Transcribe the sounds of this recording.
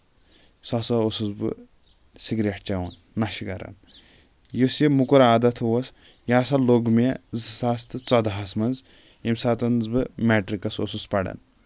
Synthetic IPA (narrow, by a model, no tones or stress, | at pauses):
sɐsɐosuzbɨ̰ | siɡɾɐʈt͡ʃɐwɐnːɐʃikɐɾɐ̰n | josjimukuɾaːd̪ɐt̪ʰowɐs | jaːsɐloɡmezsast̪ɨt͡sɐd̪aɦɐsmɐnz | imsat̪ɐnzbɨmeʈɾikɐsosuspɐɽɐ̰n